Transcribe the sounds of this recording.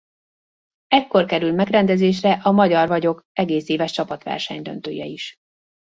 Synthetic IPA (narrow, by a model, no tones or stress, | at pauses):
ɛkːo̞rkɛɾylmɛɡrɛnd̪ɛzeːʃrɛʔɒmɒɟɒrvɒɟo̞kɛɡeːseːvɛʃt͡ʃɒpɒt̪ʋɛ̰rʃɛ̰ɲd̪ønt̪øːjɛ̰iʃ